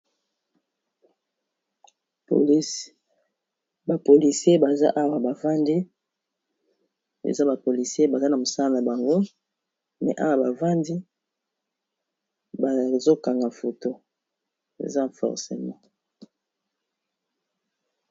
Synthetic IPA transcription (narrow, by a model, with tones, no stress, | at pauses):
po˨li˦ | ba˨po˨li˨sje˦ba˨za̰˦ʔa˦wa˨ba˨va˦ndi˦ | ḛ˨za˦ba˨po˨li˨se˦ba˨za˦na˨mo˨sa˦a˦na˨ba˨ŋɡo˦ | mɛ̰˨ʔa̰˦wa˨ba˨va˦ndi˦ | ba˨zo˦ka˨ŋɡa˨fo˨to˦ | ḛ˨za˦˨fɔ̰˨ʁsḛ˨mɔ̃˦